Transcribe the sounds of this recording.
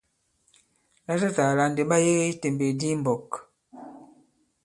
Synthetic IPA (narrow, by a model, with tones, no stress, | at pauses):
la˦ta˦ta˨la˨n˨de˨ɓa˦je˦ɣe˦i˦te˨mbe˨di˦m˨bɔ˨k